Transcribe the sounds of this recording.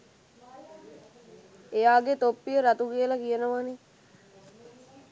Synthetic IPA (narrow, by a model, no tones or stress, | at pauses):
ejaːɡet̪opːijəɾat̪ukijəlakijənəʋane